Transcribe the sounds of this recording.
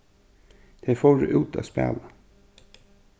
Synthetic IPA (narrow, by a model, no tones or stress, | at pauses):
d̪̥ɛfoːɖʉ̰ʔʉːt̪ʰa̰spḛːla